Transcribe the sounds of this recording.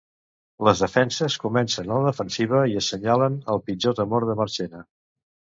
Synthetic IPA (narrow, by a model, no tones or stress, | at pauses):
ləzðəfɛnsəskumɛnsənələðəfənsiβ̞əiəsːəɲalənəlˠpid͡ʒot̪əmoɾðəməɾt͡ʃenə